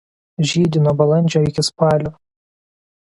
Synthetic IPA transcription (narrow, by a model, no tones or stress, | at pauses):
ʒʲiːd̪ʲɪnobɐlˠɐnʲd͡ʒʲoːɪkʲɪspɑːlʲʊ